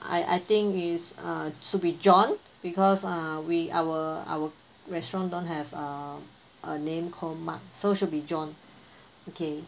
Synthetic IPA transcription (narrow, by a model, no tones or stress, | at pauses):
ʔa̰ɪʔa̰ɪt̪ĩŋisʌ̃ʃut̚bid͡ʒɔ̃n | b̥ikʰɔsawiʔa̰wəa̰wə | ɹɛstɹɔ̃ndõnɦɛvʌ̃ | ʔənẽmkʰɔldma̰k̚soʃut̚bid͡ʒɔ̃n | okʰe